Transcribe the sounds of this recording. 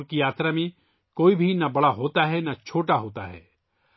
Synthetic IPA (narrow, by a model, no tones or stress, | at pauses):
ɾkijaːt̪ɾamẽ | koːibʱinabɐɽaɦoːt̪aɦɛnat͡ʃʰoːʈaɦoːt̪aɦɛ̰ː